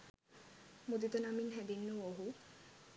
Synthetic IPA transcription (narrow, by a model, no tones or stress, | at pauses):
mud̪it̪onaminɦɛd̪inːooɦu